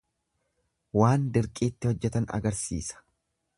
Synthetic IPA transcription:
waːnd̪ɪɾkʼiːt̪ːɪhɔd͡ʒːɛt̪ɐnɐ̰ɡɐɾsḭːsɐ̥

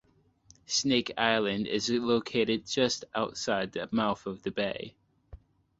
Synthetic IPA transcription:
sneɪkʰa̰ɪlˠɨ̃ndɪ̰zloʊkʰeɪɾɪd̚d͡ʒʌstaʊtsaɪd̪̚ðɨmaʊθʌvðɨbeɪ

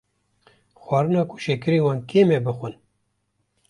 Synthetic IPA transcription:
xwɑːɾɨnɑːkʰu̥ʃekɨɾiːwɑːnkʰeːmebɨxʷɨn

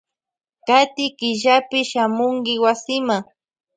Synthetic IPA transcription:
kat̪ɪkɪʒapɪʃamʊŋkɪwasɪma

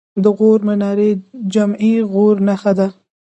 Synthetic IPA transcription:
d̪əɣoɾmɪnɑɾed͡ʒamiɣoɾnaxad̪a

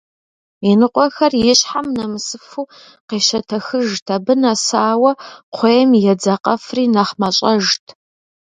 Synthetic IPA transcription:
inɨqʷʼɔxɐrjɪɕħamnɐmɨsɨfuː | qeːʃɐtʰɐxɨʒtʰɐbɨnasaːwɐqʷʰejɛmjɛd͡zɐqʼɐfriːnaχmɐɕʼɐʒtʰ

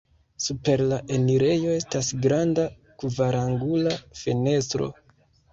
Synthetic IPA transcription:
supe̞ɾlaʔe̞niɾe̞jo̞e̞stasɡɾanda | kuvaɾaŋɡulafene̞stɾo̞̰

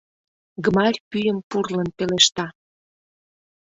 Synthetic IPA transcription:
ɡmɑɾʲpyjəmpurlənpeleʃt̪ɑ

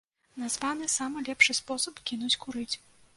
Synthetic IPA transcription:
nazvanɨsamɨlʲɛpʂɨspɔsɐpkʲinut͡sʲkuɾɨt͡sʲ

